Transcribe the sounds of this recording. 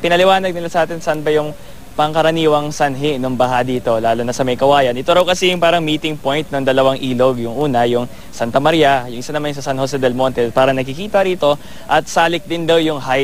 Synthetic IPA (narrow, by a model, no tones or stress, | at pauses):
pɪnɐlɪwaːnɐɡ̚nɪlasɐʔaːt̪ɪnsanbɐjʊŋ | pɐŋkɐɾɐniːwɐŋsɐnɦɪnoŋbɐɦad̪iːt̪o̞laːlonɐsɐmɐjkɐwaːjɐnʔɪt̪oɾɐwkɐsɛjʊŋpaːɾɐŋmiːt̪ɪŋpo̞jnt̪̚noŋd̪ɐlɐwaŋʔiːlo̞ɡjʊŋʔuːnɐjʊŋ | sant̪ɐmɐɾiɐjʊŋʔɪsanɐmansɐsanhos̬ɛd̪ɛlmont̪ɛlpaːɾɐnɐkɪkiːt̪ɐɾiːt̪o̞ | ʔɐt̪̚saːlɪk̚d̪ɪnd̪ɐwjʊŋɦaj